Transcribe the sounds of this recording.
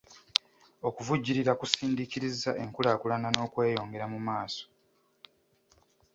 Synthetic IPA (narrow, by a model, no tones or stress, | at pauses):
o̞kuvuɟːiɾiɾakusiːndiciɾizaʔe̞ŋkulaːkulanano̞ːkwe̞ːjo̞ːŋɡe̞ɾamumaːso̥